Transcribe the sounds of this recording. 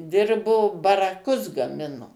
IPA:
ˈdʲɪrboː bɐrɐˈkʊs ɡɐˈmʲɪnoː

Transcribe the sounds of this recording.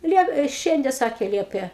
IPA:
ˈlʲiɛp ɪ ˈʃʲɛnʲdʲɛ ˈsɑːkʲeː ˈlʲiɛpʲeː

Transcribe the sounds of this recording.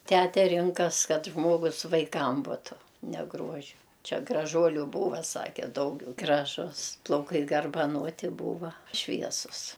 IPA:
ˈtʲætʲɛ ˈrʲɪŋkɐs ˈkɐt ˈʒmoːɡʊs ʋɐɪˈkɐm ˈbʊtʊ nʲɛ ˈɡruɔʒʲɪ ˈt͡ʃʲɛ ɡrɐˈʒuɔlʲʊ ˈbuːʋɐ ˈsɑːkʲɛ ˈdɐʊɡʲɛʊ ɡrɐˈʒʊs plˠɐʊˈkɐɪ ɡɐrbɐˈnoːtʲɪ ˈbuːʋɐ ˈʃʲʋʲiɛsʊs

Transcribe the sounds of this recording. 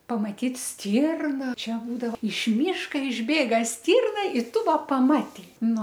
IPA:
pɐmɐˈtʲiːt ˈsʲtʲiːrnɐ ˈt͡ʃʲɛ buːdɐʋoː ɪʃ ˈmʲiːʃkɐ ɪʒʲˈbʲeːɡɐ ˈsʲtʲiːrnɐ ɪ ˈtʊ ˈʋɐ pɐˈmɑːtʲɛɪ ˈnʊ

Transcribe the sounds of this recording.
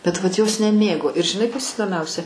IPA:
bʲɛt ʋɐt joːs nʲɛˈmʲeːɡoː ɪr ʒʲɪˈnɐɪ ˈkɐs iːdoːˈmʲɛʊsʲɛ

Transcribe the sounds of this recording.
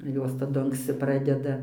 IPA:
ˈjoːs tɐˈdʊ ɐŋksʲˈt͡sʲɪ ˈprɑːdʲɛdɐ

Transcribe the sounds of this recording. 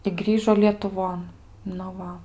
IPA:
ɪ ˈɡrʲiːʒoː lʲiɛtʊˈʋoːn nʊ ˈʋɐ

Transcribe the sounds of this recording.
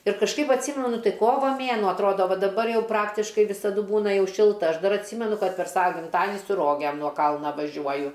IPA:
ɪr kɐʃˈkɐɪp ɐtʲˈsʲiːmʲɛnʊ ˈtɐɪ ˈkoːʋɐ ˈmʲeːnuɔ ɐtˈroːdoː ˈʋɐ dɐˈbɐr ˈjɛʊ ˈprɑːktʲɪʃkɐɪ ʋʲɪsɐˈdʊ ˈbuːnɐ ˈjɛʊ ˈʃʲɪlˠtɐ ˈɐʃ ˈdɐr ɐtʲˈsʲiːmʲɛnʊ ˈkɐt pʲɛr ˈsɑːʋɐ ɡʲɪmˈtɑːdʲɪnʲɪ sʊ ˈroːɡʲeːm nuɔ ˈkɐlˠnɐ ʋɐˈʒʲuɔjʊ

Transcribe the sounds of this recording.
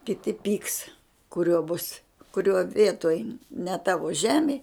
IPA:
kʲɪˈtʲɪ pʲiːks kʊˈrʲoː bʊs kʊˈrʲoː ˈʋʲiɛtoːj nʲɛ ˈtɑːʋoː ˈʒʲæːmʲeː

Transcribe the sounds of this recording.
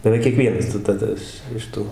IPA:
bʲɛˈʋʲɛɪk kʲiɛˈkʋʲiɛnɐs tɐɪ tɐˈdɐ ɪʃ ɪʃ ˈtuː

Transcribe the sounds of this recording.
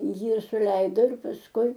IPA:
ˈjiː sʊˈlʲɛɪdoː ɪr pɐsˈkʊɪ

